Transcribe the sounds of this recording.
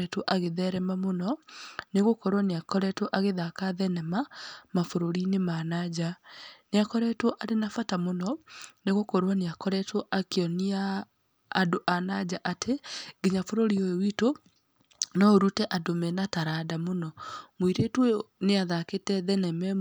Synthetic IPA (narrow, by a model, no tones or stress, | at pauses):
ɛtwɔʔaɣeðɛɾɛmamonɔneɣokɔɾwɔneakɔɾɛtwɔʔaɣeðakaðɛnɛmamafoɾoɾinemanad͡ʑaneakɔɾɛtwɔʔaɾenafatamonɔneɣokɔɾwaneakɔɾɛtwɔʔakeɔniaː | doʔanad͡ʑaʔatʰeɡeɲafoɾoɾiojowito | nɔoɾutɛʔadomɛnataɾadamonɔmoiɾetwɔneaðaketɛðɛnɛmɛ